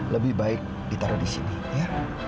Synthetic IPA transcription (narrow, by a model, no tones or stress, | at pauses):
ləbɪhbaɪk̚dit̪aɾadisḭni | ja